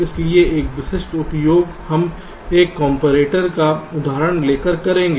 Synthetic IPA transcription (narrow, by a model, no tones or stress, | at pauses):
ɪslieʔeːkʋɪʃɪʃʈ̪ʊt̪joːɡ | hɐm | eːkːɔːmpoɾeːʈəɾkaʊd̪ʱaːɾəɽ̃leːkəɾkɐɾẽːŋɡeː